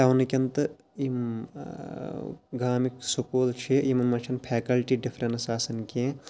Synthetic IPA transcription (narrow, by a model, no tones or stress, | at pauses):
t̪ɐʋnɨkʲɐnt̪ɨ | im | ɡaːmiksukoːlt͡ʃʰeimɐnmɐnt͡ʃʰɐnpʰɛːkɐlʈiːɖifʰɾɐnsaːsɐnkʲẽː